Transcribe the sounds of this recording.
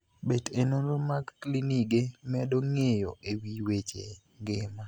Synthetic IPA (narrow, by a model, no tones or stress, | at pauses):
bedenonɾomakːliniɡemɛdoŋejo̰ʔewiwet͡ʃe | ŋɡɪma